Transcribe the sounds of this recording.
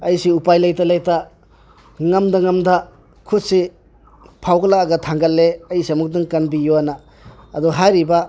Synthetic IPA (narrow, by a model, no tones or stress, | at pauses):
ɐjsiupajlajtalajta | ŋɐmdaŋɐmda | kʰutsi | pʰawɡlaːɡɐtʰaŋɡɐlːeɐjsiamuk̚dɯŋkanbijoanaː | dɔɦajɾiba